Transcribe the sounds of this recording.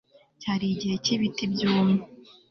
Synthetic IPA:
caɾiɟiheciβitibjuːmu

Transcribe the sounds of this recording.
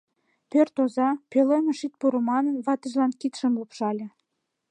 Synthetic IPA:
pørt̪ozɑpeleməʃit̪̚puɾəmɑnənβɑt̪ə̆ʒlɑnkit̪ʃəmlupʃɑlʲĕ

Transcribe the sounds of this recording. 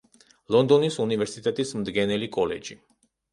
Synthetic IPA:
lɔnd̪ɔnisunivɛɾsit̪ʼɛt̪ʼismd̪ɡɛnɛlikʼɔlɛ̰d͡ʒi

